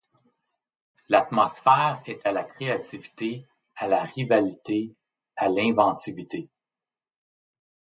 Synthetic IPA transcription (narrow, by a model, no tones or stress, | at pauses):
lat̪mɔsfɛːʁɛt̪ʰalakχeat̪ivi̥t̪e | alaʁivalit̪e | alɛ̃vɑ̃t̪ivit̪e